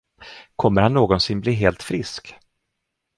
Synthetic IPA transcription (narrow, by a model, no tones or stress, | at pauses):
kʰɔmːəɾhanːoːɡɔnsɪnbliːɦeːlt̪fɾɪsk